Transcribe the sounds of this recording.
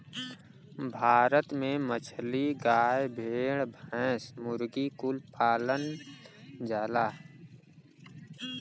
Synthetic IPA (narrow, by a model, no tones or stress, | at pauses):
bʱaːɾət̪mẽmət͡ʃʰliɡaːjbʱeːɽbʱɛ̃ːsmʊɾɡikʊlpaːlən | d͡ʒaːlaː